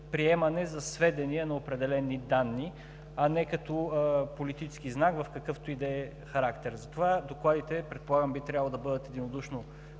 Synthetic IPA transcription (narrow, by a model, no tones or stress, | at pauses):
pɾiɛmɐnɛzɐsvɛd̪ɛniɛnɐopɾɛd̪ɛlɛnid̪anːi | ɐnɛkɐt̪opolit̪it͡ʃɛsk̟iznakvɐfkɐkɤft̪oid̪ɛɛ | xɐɾakt̪ɛɾzɐt̪ovad̪oklˠad̪it̪ɛpɾɛt̪̚polˠaɡəmbit̪ɾʲjablˠd̪ɐbɤd̪ət̪ɛd̪inod̪uʃno